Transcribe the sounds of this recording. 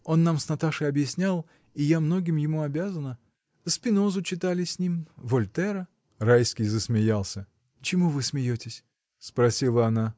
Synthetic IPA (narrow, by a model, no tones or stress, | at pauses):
o̞nːamsnɐt̪aʂɨɐbjɪsʲnʲalˠ | ijamno̞ɡʲɪmjɪmuɐbʲazənə | spʲɪno̞zʊt͡ɕɪt̪alʲɪsʲnʲimvolʲt̪ɛɾə | rajskʲɪjzəsmʲɪjalˠsʲə | t͡ɕɪmuvɨsmʲɪjotʲɪsʲ | spɾɐsʲilˠəɐna